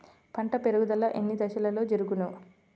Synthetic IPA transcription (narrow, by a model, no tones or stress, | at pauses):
pʰɐɳʈɐpeɾuɡud̪ɐlːɐʔenːid̪ɐʃɐlɐlo̞ːd͡ʒeɾuɡunu